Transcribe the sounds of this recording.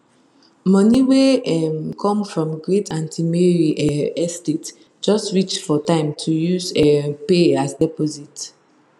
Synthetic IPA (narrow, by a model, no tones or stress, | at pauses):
mɔniweɛmkʰɔ̃mfɹɔ̃mɡɹetʰãntʰimeɹiʔɛɛstet | d͡ʒɔstɹit͡ʃfɔtãɪ̃mtʰujuzɛpeasdɛpɔzit